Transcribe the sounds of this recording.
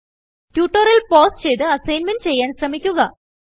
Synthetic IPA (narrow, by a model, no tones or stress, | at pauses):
tjuːʈːɐrilpoːst͡ɕe̞jt̪ɨɐsɐjnmɐnɖɨt͡ɕe̞jːaːnɕrɐmikʲːuɣɐ